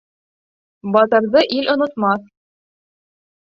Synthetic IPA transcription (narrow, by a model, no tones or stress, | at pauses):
bɑt̪ɤ̆ɾðɤʔilʔŏnŏt̪mɑθ